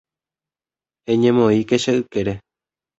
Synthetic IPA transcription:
ẽɲẽmõikeʃaʔɨkeɾe

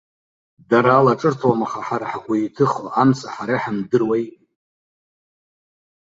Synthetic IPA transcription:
daɾaːlaʈ͡ʂʼɨrtʰwamaχaħaɾaħakʷaitʰɨχaʔamsaħaɾaħamdɨrwej

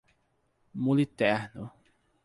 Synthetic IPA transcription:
mulit̪ɛɾnʊ

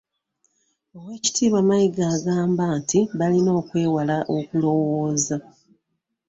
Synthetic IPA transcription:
owe̞ːci̥tʰiːβwamajiɡaːɡaːmbaːntiβalino̞ːkwe̞ːwalaʔo̞kulo̞woːza

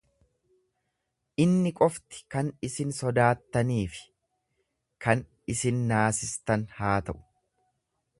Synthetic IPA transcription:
ʔɪnːɪkʼɔft̪ɪ̥kɐnɪsɪnsɔd̪aːt̪ːɐniːfɪ̥ | kɐn | ɪsɪnːaːsɪst̪ɐnhaːt̪ɐʔʊ̥

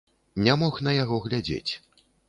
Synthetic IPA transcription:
nʲamɔxnɐjaɣɔɣlʲad͡zʲḛt͡sʲ

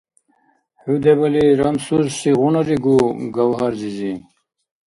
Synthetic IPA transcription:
hud̪ebɐliɾamsuzsiʁunɐɾiɡuɡawɦaɾzizi

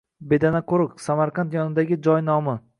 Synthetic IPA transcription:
be̞d̪anakʰoɾɨqsamaɾqʰant̪jɒnɪd̪aɡʲɪd͡ʒɒjnɒmɪ

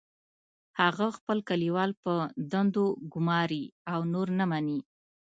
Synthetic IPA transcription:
haɣaxpəlkaliwɑlpəd̪and̪oɡʊmɑɾiawnoɾnəmani

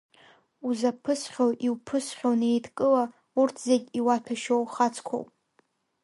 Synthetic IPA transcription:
uzapʰɨsχʲowʔiwpʰɨsχʲonejtʰkʼɨla | urtʰzeɡʲiwatʰaʃowχat͡sʰʼkʷʰo̰wpʼ

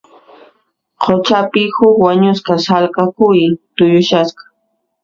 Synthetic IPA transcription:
qʰot͡ʃapɪhʊkwaɲʊskasalkakʊjt̪ʊjʊʃasqɑ̥

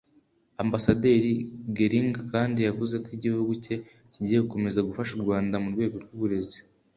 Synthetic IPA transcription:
ambasadeːɾiɡeɾiŋɡakaːndijavuze̞kwiɟihuɡuce̞ | ciɟiːjeuko̞me̞zaɡufaʃuɾɡwaːndamuɾɡwe̞ːɡo̞ɾɡuβuɾe̞zi

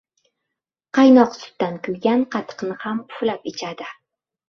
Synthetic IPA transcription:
qʰɑjnɒqsʊ̥t̪ːankʲʊlɡʲanqʰɑt̪ʰɨ̥qnɪhamʊflapɪt͡ʃʰad̪ɪ

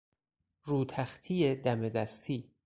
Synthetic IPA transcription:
ɾuːt̪ʰæxt̪ʰiːed̪æmed̪æst̪ʰiː

